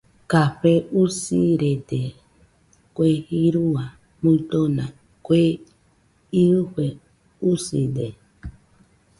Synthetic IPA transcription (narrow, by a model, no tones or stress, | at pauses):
kaɸeusiɾed̪e | kʷehiɾua | mũt̪onã | kwe | iɨɸe | usḭd̪e